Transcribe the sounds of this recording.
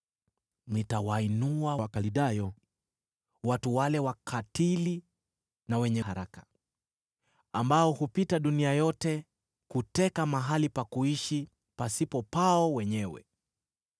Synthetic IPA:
nitawainuawakaliɗajɔ | watuwalɛwakʰatili | nawɛɲɛhaɾakḁ | ambaɔhupitaɗuniajɔtɛ | kutɛkamaɦalipakuiʃi | pasipɔpaɔwɛɲɛwɛ̰

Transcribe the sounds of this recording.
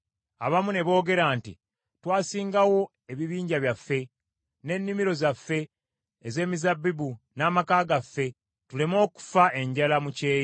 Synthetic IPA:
aβamune̞βo̞ːɡe̞ɾaːntḭ | twaːsiːŋɡawo̞ | e̞βiβiːɲɟaβjafːe̞ | ne̞nːimiɾo̞zafːe̞ː | ze̞ːmizabːibu | naːmakaːɡafːe̞ | tule̞mo̞ːku̥faʔe̞ɲɟalamuce̞ːj

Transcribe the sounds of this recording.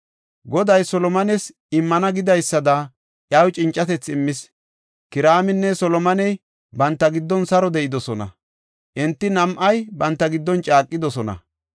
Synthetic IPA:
ɡɔd̪ɐjsɔlɔmɐnɛs | ɪmːɐnɐɡɪd̪ɐjsːɐd̪ɐ | ʔjɐwt͡ʃʼɪnt͡ʃʼːɐt̪ɛt͡sːɪmːɪs | kɪɾaːmɪnːɛsɔlɔmɐnɛj | bɐnt̪ːɐɡɪd̪ːɔnsɐɾɔd̪ɛʔɪd̪ɔsɔnɐ̰ | ʔɛnt̪ːɪnɐmʔɐjbɐnt̪ːɐɡɪd̪ːɔnt͡ʃʼaːkʼːɪd̪ɔsɔnɐ̰

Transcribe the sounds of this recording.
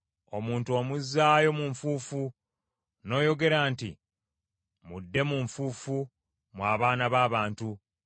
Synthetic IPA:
o̞̰muːntuo̞muzːaːjo̞muɱfuːfu | no̞ːjo̞ɡe̞ɾaːntḭ | mudːe̞muɱfuːfu | mwaːβaːnaβaːβaːntu

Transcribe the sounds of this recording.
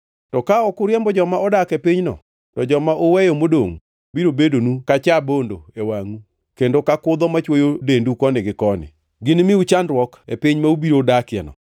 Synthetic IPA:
tɔkaɔkʊɾjɛmbɔd͡ʒɔmaɔdakepiɲnɔ̰ | tɔd͡ʒɔmaʔowɛjomodoŋ | biɾobedonukat͡ʃabondo̰ewaŋu | kendokakʊd̪ɔmat͡ʃwojodendukɔnɪɡɪkɔnɪ̰ | ɡɪnmɪut͡ʃandɾwɔkḛpiɲmaubiɾodakɪɛ̰nɔ̰

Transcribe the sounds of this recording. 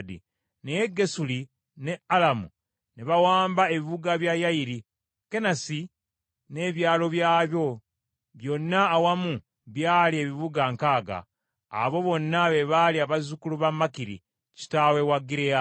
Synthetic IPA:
dḭ | nejeɡe̞suli | ne̞alamṵ | neβawaːmbae̞βiβuɡaβjajajiɾi | ke̞nasi | ne̞ːβjaːlo̞βjaːβjo̞ | βjo̞nːaːwamu | βjaːlie̞βiβuɡaŋkaːɡa̰ː | βo̞βo̞nːaβeβaliaβazukuluβamːakiɾḭ | ci̥tawe̞waɡiɾea

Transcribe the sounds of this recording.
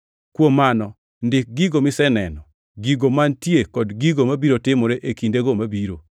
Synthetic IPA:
kwomːanɔ | ndɪk̚ɡiɡomɪsɛnɛnɔ | ɡiɡomantjekɔdɡiɡomabiɾotɪmɔɾeʔekindeɡomabiɾo

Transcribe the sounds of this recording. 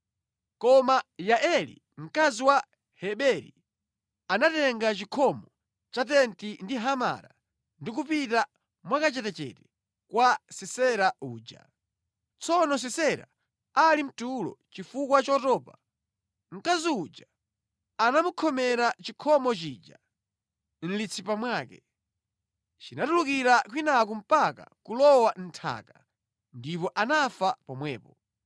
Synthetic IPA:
kɔmajaʔɛlḭ | ŋ̩kaziwa | hɛɓɛɾḭ | anatɛŋɡat͡ʃikʰɔmɔ | t͡ʃat̬ɛntindiɦama̰ɾa | ndik̬upita | mwakat͡ʃɛtɛt͡ʃɛ̰tɛ̥ | kwasisɛɾaʔuːd͡ʒa̰ | t͡sɔnɔs̬isɛɾa̰ | alim̩tulɔ̰t͡ʃifukwat͡ʃɔtɔːpa | ŋ̩kaziud͡ʒa | anamukʰɔmɛɾat͡ʃikʰɔmɔt͡ʃid͡ʒa̰ | n̩lit͡sʰipamwaːkɛ | t͡ʃinatulukiɾak̬winakum̩paka̰kulɔwan̩tʰa̰ka | ndipɔʔanafapɔmwɛːpɔ

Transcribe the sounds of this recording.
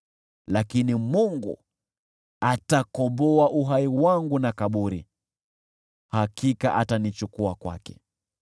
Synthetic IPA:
lakinimuŋɡṵ | atakɔmbɔaʔuɦaiwaŋɡunakaɓuɾḭ | hakikaʔatanit͡ʃukuakwa̰kɛ̥̰

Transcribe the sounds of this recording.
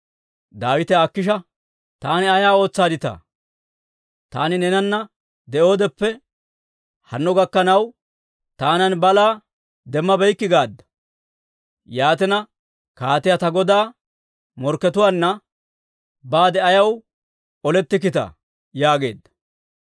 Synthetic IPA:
d̪aːwɪt̪ɛakːɪʃ̬ɐ | t̪aːnɪɐjaːo̞ːt͡sːaːd̪ɪt̪ɐ̰ː | t̪a̰ːnɪnɛnɐnːɐ | d̪ɛʔo̞ːd̪ɛpːɛ | hɐnːɔɡɐkːɐnɐw | t̪aːnɐnbɐlaː | d̪ɛmːɐbɛjkːɪɡaːd̪ːɐ̥ | jaːt̪ɛnɐ | kaːt̪ɪjɐt̪ɐɡɔd̪aː | mɔɾkːɛt̪ʊwaːnːɐ | baːd̪ɛɐjɐw | ɔlɛt̪ːɪk̬ɪt̪ɐ̰ | jaːɡe̞̰ːd̪ːɐ̥

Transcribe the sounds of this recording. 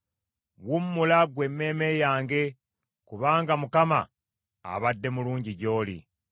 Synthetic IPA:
wumːulaɡwe̞mːe̞ːme̞jaːŋɡe̞ | kuβaːŋɡamukama̰ː | βadːe̞muluːɲɟiɟo̞ːlḭ

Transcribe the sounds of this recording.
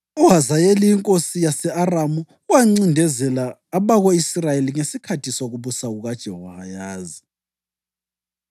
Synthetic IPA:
uɦazajeliiŋkʼosijasɛaramu | waŋ͡ǀindʱɛzɛlaːβaɣoisirajeliŋesikʰatʰisoɣuβusaɣuɣad̥ʒ̥ʱɛhɔhajaːzi

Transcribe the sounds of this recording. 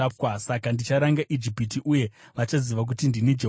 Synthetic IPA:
p̚asakandit͡ʃaɾaŋɡaʔid͡ʒipitiʔuje̞ʋat͡ʃaziʋak̬utindinid͡ʒe

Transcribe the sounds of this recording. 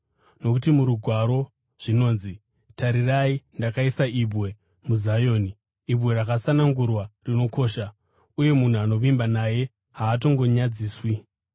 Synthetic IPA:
no̞kutimuɾuɡʱwaɾo̞ | ʐ̥ino̞ːnzi | taɾiraindakaisaibwe̞ | muzajo̞ːniː | bwe̞ɾakasanaŋɡurwarino̞ko̞ːʃa | uje̞mun̤uano̞ʋimbanaje̞ | ɦaːt̬o̞ŋɡo̞ɲad͡ziːswi

